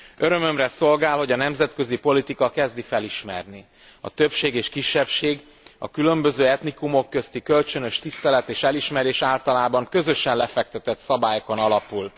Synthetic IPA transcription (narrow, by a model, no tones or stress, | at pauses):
ø̞ɾø̞mø̞mrɛso̞lɡaːlho̞ɟɒnɛmzɛt̪kø̞zipo̞lit̪ikɒkɛzd̪ifɛliʃmɛ̰rni | ɒ̰t̪øpʃeːɡeːʃkiʃːɛpʃeːɡ | ɒ̰kylø̞mbø̞zøːɛt̪nikumo̞kːø̞st̪ikø̞lt͡ʃønø̞ʃt̪ist̪ɛlɛt̪eːʃɛliʃmɛɾeːʃaːlt̪ɒlaːbɒŋkø̞zø̞ʃɛnlɛfɛk̚t̪ɛt̪ɛt̪sɒbaːjoko̞nɒlɒpul